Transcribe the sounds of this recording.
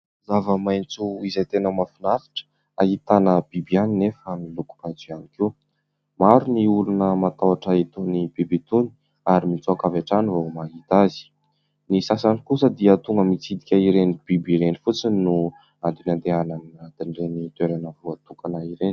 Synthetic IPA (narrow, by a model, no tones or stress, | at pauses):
zavəmajnt͡suizejt̪enəmafinafi̥ʈ͡ʂə̥ | aɦit̪anəb̥ibianinefamiluku̥b̥ad͡zianiki | maɾuniulunəmat̪awaʈ͡ʂait̪onibibit̪uni̥ | aɾimint͡suakaveʈ͡ʂanivomaɦit̪azi̥ | nisasanikusəd̪iət̪uŋɡəmit͡sid̪ikʲaiɾenib̥ibiɾenifut͡sinu | ant̪inand̪eananiɾat̪inɖ͡ʐenit̪weɾanəvuat̪ukanaiɾeni̥